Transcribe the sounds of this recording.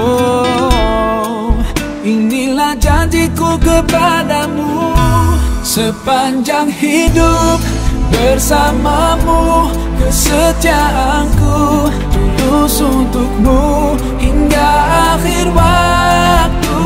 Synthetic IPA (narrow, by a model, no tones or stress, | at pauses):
o | inilahd͡ʒadikukəpadamu | səpaɲd͡ʒaŋhidup̚ | bərsamamu | kəsət̪iaʔa | ŋku | t̪udusunt̪uk̚mu | hiŋɡaːxɪrwa | k̚t̪u